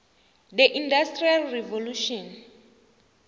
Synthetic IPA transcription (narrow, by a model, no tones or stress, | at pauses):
dɛʔindastrialrɛvoluʃɔn